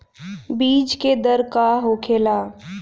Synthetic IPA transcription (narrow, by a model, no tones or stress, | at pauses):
biːd͡ʒked̪əɾkaɦoːkʰeːlaː